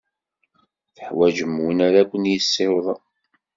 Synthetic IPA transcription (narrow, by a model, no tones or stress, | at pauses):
θəħwæd͡ʒəmːunæɾækʷːənjəsːewðˤɑ